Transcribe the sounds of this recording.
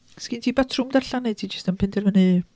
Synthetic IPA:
skintʰiːbatʰrʊmdarɬanɛtʰiːd͡ʒəstənpʰɛndɛrvənɨ

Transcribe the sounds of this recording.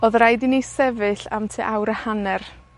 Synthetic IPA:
oðrajdinisɛvɨɬa̰mtʰɨʔawɾəhanɛr

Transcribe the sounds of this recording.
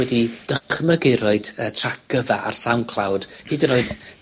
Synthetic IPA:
ɛdid̥əχməɡɪɾɔɨd̥əːtʰrak̚ɡ̥əvaʔa̰rsawnkʰlˠawd̥hɨdənoɨd

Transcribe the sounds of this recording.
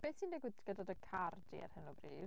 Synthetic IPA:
b̥eːθiːndɛɡwɪdɡ̥ədadəkʰardḭa̰rhənubriːv

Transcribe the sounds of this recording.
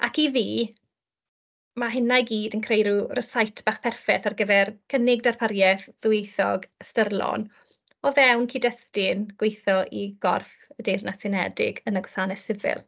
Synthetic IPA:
a̰kiviː | maɦɪnajɡiːdənkʰrejɾurəsajtʰb̥aːχpʰɛrfɛθarɡəvɛrkʰənɪɡ̚darpʰaɾjɛθðwejθɔ̰ɡstərlˠɔ̰n | ɔvɛwnkʰidəstɪnɡ̥wejθɔʔiɡ̥ɔ̰rf | ədejrnasɪnɛdɪ̰ɡənəɡwɔsanɛθsɪvɪ̰lˠ

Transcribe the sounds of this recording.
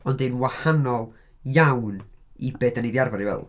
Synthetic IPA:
ɔndenwahanɔlˠ | jawnibeːdəniðiarvaɾiwɛ̰lˠ

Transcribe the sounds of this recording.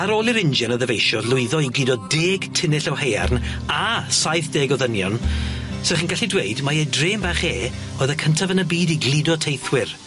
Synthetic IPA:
aɾoːlˠɪɾɪnd͡ʒɛnɔðəvejʃɔlʊɨðɔiɡlɪdɔdeːɡ̥tʰɪnɪɬɔwheja̰rnasajθd̥eːɡɔðənjɔ̰nsɪχinɡaɬidweɨdmaedreːmbaχeː | oːðəkʰəntʰavənəbiːdiɡlɪdɔtʰejθwɪr

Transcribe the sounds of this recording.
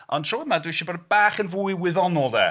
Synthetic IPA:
ɔntʰrɔwəmadwiʃɔbɔdbaːχənvuːɨwɪðɔnɔlˠðɛ̰

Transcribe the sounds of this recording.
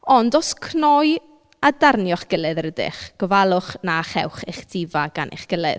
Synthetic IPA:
ɔndɔskʰnɔj | adarnjɔχɡ̥əlˠɨðɾədɪ̰χɡ̥ɔvalˠʊχnaχɛ̰wχeχdʰɪvaɡ̥a̰nʔḛχɡ̥əlˠɨ̰ð

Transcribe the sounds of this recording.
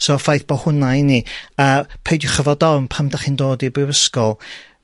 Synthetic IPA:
soːfajθb̥ɔhʊnajniəːpʰejdjʊχəvɔdɔmpʰamdaχiːndoːdibrɪwəskɔlˠ

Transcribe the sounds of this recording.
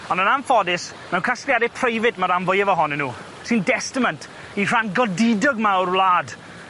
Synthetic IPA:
ɔnənamfɔdɪs | mɛwnkʰaskjadɪpʰrejvɪdmaɾamvɔjɛvɔɦɔnɪnːuː | sindɛstɪməntʰ | ir̥anɡɔdɪdɔɡmawrlˠaːd

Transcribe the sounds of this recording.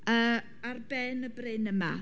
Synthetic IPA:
əː | arbɛnəbrɪnəma̰

